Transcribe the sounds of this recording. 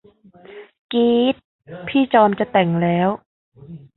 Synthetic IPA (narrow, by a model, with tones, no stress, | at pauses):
kiː˦˥t̪̚ | pʰiː˥˩t͡ɕɔː˧mt͡ɕa˨˩t̪ɛ˨˩ŋlɛː˦˥w